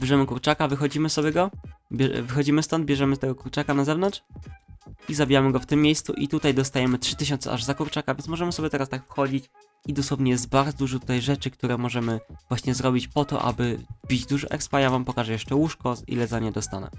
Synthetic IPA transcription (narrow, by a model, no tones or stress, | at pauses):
bʲjɛʐɛmɘkuɾt͡ʂakavɘxɔd͡ʑimɘsɔbʲjɛɡɔbʲɛvɘxɔd͡ʑimɘst̪ɔnd̪bʲjɛʐɛmɘst̪ɛɡɔkuɾt͡ʂakanazɛvnɔntʂ | izabʲijamɘɡɔft̪ɘmʲːjejst̪suʔit̪ut̪ajd̪ɔs̬t̪ajɛmɘtʂɘt̪ɘɕ̬ɔnt̪sɛ̰ʔa̰ʐzakuɾt͡ʂakavʲjɛnsmɔʐɛmɘsɔbʲɛt̪ɛɾast̪akfxɔd͡ʑit͡ɕ | id̪ɔswɔvɲɛjɛzd̪̚baɾd͡zzɔd̪uʐɔt̪u̥t̪ajʐɛt͡ʂɘk̚t̪uɾɛmɔʐɛmɘvwaɕɲɛzɾɔbʲit͡ɕpɔt̪ɔ̰ʔa̰bɘbʲid͡ʑd̪uʐɔ̰ʔɛ̰kspaɲavampɔkaʐɛjɛʂt͡ʂɛwuʂkɔḭlɛzaɲɛd̪ɔst̪a̰nɛ̰